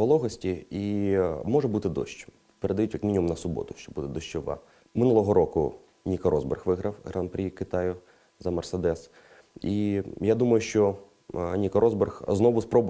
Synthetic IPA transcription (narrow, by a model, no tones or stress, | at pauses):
ɔlˠɔɦɔsʲtʲiimɔʐɛbut̪ɪd̪ɔ̰ʃt͡ʃ | peɾed̪ɐjutʲjɐkmʲinʲimumnɐsʊbɔ̰t̪ʊ̥ʃt͡ʃɔbud̪ɛd̪ɔʃt͡ʃɔʋɑ̰ | mɪnulˠɔɦɔɾɔkʊ̰ | nʲikɐɾɔzbḛrxʋɪɦɾɐwɦɾanpɾʲikɪt̪ɑjʊ | zɐmersed̪ɛs | ijad̪umɐjʊʃt͡ʃɔ | nʲikɐɾʔɔzberxznɔʋʊspɾɔbʊ